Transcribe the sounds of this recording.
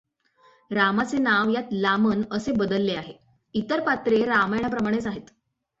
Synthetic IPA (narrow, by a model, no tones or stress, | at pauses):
ɾamat͡senaʋjat̪lamənəsebəd̪əlːeaɦe | it̪əɾpat̪ɾeɾamajɳ̃apɾəmaɽ̃et͡saɦet̪